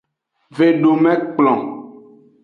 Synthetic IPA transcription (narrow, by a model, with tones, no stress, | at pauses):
ve˨ɖo˨mɛ̃˦k͡plɔ̃˨